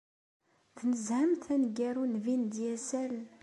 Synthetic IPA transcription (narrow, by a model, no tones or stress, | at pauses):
θnəzhəmθænɡæɾunvind̪jæsæl